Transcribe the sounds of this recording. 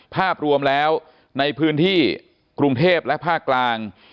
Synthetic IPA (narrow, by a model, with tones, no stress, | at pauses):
pʰaː˥˩p̚ɾu˧əmlɛː˦˥w | na˧jpʰɯː˦˥nt̪ʰiː˥˩ | kɾu˧ŋt̪ʰeː˥˩p̚lɛ˦˥pʰaː˥˩kːlaː˧ŋ